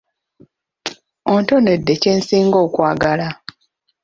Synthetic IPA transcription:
onto̞ne̞dːe̞ce̞ːnsiːŋɡo̞ːkwaːɡala

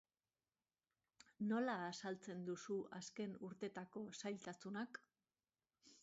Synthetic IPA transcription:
no̞laːsalt͡se̞nd̪usuaske̞nuɾt̪e̞t̪ako̞sajlt̪asunak

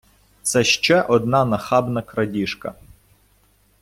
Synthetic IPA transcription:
t̪sɛʃt͡ʃɛʔɔd̪nɑnɐxɑbnɐkɾɐdʲiʃkɐ̰

